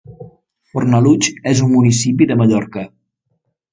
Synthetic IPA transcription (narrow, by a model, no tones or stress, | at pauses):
fornəlut͡ʃezumːunisipiðəməʎɔɾkə